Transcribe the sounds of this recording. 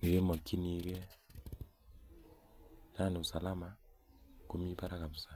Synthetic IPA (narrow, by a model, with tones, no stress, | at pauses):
ŋe˨ɣe˦mɔ˨kːi˦ni˨˦kɛ˦ | na˦nɪ˨u˨sa˨la˦ma˨ | ko˦mi˦pa˦ɾa˦ka˨mu˨sa˨